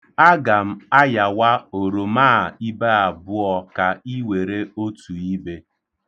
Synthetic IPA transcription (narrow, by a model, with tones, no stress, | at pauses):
a˦ɡa˨m̩˦a˦ja˨wa˦o˨ɾo˨maː˦˨i˦be˦a˨bʊ˦ɔ˦ka˨i˦we˨ɾe˦o˦tu˨i˦be˦